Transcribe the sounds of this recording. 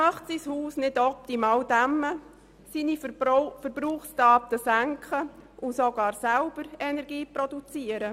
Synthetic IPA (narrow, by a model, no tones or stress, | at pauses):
mœχtsishuːsnɪdɔp̚t̪imɑːwd̥æmːə | siːnifəɾb̥ɾuːχsdɑːt̪əsæŋkχəʔʊsoɡ̥ɑːɾsælb̥əɾɛnɛɾɡiːprɔdut͡siːəɾə